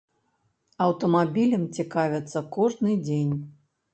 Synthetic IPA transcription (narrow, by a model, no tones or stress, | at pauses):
ɐwt̪ɐmabʲilʲɐmt͡sʲikavʲɛt̪sːɐkɔʐnɨd͡zʲenʲ